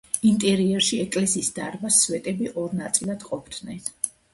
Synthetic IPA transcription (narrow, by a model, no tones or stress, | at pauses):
int̪ʼɛɾiɛɾʃiɛkʼlɛsiːsd̪̥aɾbaswɛt̪ʼɛbiʔɔɾnat̪sʼilˠad̪̥qʼɔpʰd̪nɛn